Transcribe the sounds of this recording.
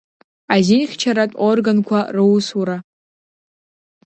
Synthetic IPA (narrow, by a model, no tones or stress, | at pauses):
azinχʲt͡ʃʰaɾatʼorɡankʷʰarɨwsuɾa